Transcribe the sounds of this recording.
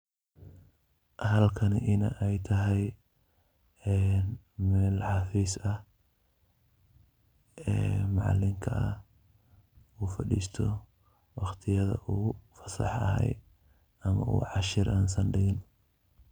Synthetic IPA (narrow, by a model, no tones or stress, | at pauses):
hɐlkʰɐnʔɪnɐ̰ʔɛjt̪ʰɐɦɛj | ɛːn | mɛːlħɑfiːsɐh | ɛːmɑʕɑ̰lːɪŋkʰɐʔɐ | uːfɐɖḭːst̪ʰɔ | wɑχt̪ʰɪjɐðɐ̰ʔuːfɐ̥sɑ̰ħɐ̰hɛ̰j | ɐmɐ̰ʔṵːʕɑʃɪɾʔaːnsɐnɖɪɣɪn